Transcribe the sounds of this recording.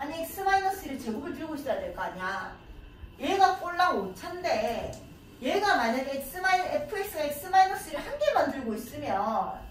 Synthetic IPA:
aɲiek̚s͈ʰɯmainʌs͈iɾɯɭt͡ɕeɡuɡɯɭt̬ɯɾɡoɕisʌjadwe̞ɭk͈aaɲan | jeɡap͈oɭːaɡot͡ɕʰande̞ | jeɡamaɲaɡes͈ɯmaiepʰɯe̞s͈ɯɡaeks͈ɯmainʌs͈ɯiɾɯɭhaŋɡe̞mandɯɭɡois͈ɯmjʌn

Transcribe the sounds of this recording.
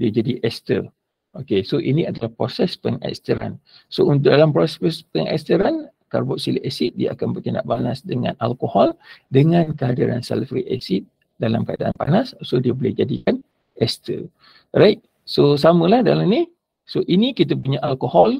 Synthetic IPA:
diəd͡ʒadiʔɛst̪ə̰ | ʔokesoʔinĩadalahpɾosɛspəŋɛ̰kst̪əɾa̰n | sount̪̬ʊʔ̚dalampɾopɛspəŋɛ̰st̪əɾan | ka̰rbɔʔsiliʔɛsit̪̚dia̰ʔakanbərtənda̰ʔbanasdəŋã̰nalkohɔldəŋãnkəadiɾa̰nsa̰lfɾḭʔɛ̰sit̪̚ | dalamkəadaʔanpa̰nassodiəbolɛhd͡ʒadikan | ʔɛst̪ə̰ | rait̪̚ | sos̬amə̃lahdalamni | soʔinikit̪̬əp̬uɲaʔalkohɔl

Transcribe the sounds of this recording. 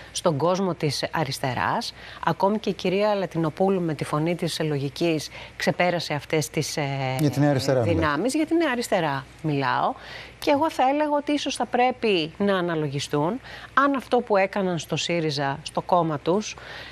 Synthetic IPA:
st̪o̞ŋɡo̞zmo̞t̪isɐ̰ɾist̪e̞ɾɐ̰sɐko̞mice̞ciɾiɐlɐt̪ino̞pulume̞t̪ifo̞nit̪isloʝiciskse̞pe̞ɾɐse̞ɐft̪e̞st̪isɐt̪inɐɾist̪eɾɐðinɐmizʝɐt̪ineɐɾist̪e̞ɾɐ | milɐ̰o̞ce̞ːɣo̞θɐe̞le̞ɣɐo̞t̪iiso̞sθɐpɾe̞pinɐːnɐlo̞ʝist̪unɐnɐft̪o̞pue̞kɐnɐnst̪o̞siɾizɐst̪o̞ko̞mɐt̪us

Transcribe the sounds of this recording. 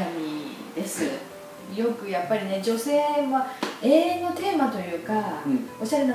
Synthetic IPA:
amʲid̪̥e̞sɨ | jo̞kɯ̟japːaɾʲine̞d͡ʑo̞se̞ːβaeːno̞t̪e̞ːmat̪o̞jɯ̟ːkao̞ɕaɾe̞na

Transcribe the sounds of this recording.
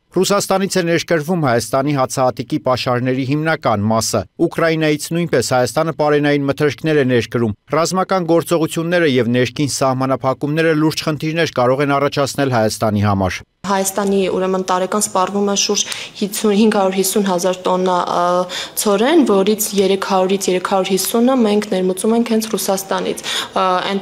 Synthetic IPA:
rusɑst̪ɑnit͡sʰɛnɛɾkəɾvumhɑjɑst̪ɑn̪iɦɑt͡sʰɑɦɑt̪ikipɑʃɑɾnɛɾiɦimnɑkɑnmɑsəukɾɑjin̪ɑjit͡sʰn̪ujnpɛshɑjɑst̪ɑnəpɑɾɛnɑjinmət̪ʰəɾkʰnɛɾɛnɛɾkəɾumrɑzmɑkɑnɡɔɾt͡sɔʁut͡sʰjunːɛɾəjɛvnɛɾkʰinsɑhmɑnɑpʰɑkumnɛɾəluɾd͡ʒχənt̪ʰiɾnɛɾkɑɾɔʁɛnɑrɑt͡ʃʰɑt͡sʰnɛlɦɑjɑst̪ɑniɦɑmɑ̰ɾ | ɦɑjɑst̪ɑniṵɾɛmənt̪ɑɾɛkɑnspɑrvumɛʃuɾd͡ʒhiuhiŋɡʰhɑɾuɾɦisːunɦɑzɑɾt̪ɔnːɑ | t͡sʰɔɾɛnvɔɾit͡sʰjɛɾɛkʰhɑɾuɾit͡sʰjɛɾɛkʰhɑɾuɾhisunəmɛŋkʰnɛɾmət͡sumɛŋkʰhɛnt͡sʰrusɑst̪ɑnḭt͡sʰɛn

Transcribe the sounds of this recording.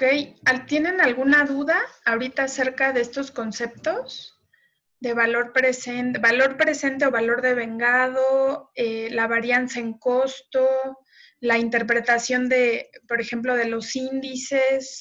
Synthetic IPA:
okejat̪je̞ne̞nalɣunaðuðaːoɾit̪ase̞ɾkaðeest̪o̞sko̞nse̞p̚t̪o̞s | ðe̞βalo̞ɾpɾe̞sent̪eβalo̞ɾpɾe̞se̞nt̪̬e̞o̞βalo̞ɾðe̞β̞e̞ŋɡaðo̞elaβaɾjansaeŋko̞st̪o̞ | laint̪e̞ɾp̬ɾe̞t̪asjo̞nd̪e̞po̞ɾe̞xe̞mplo̞ð̞e̞lo̞sind̪ise̞s

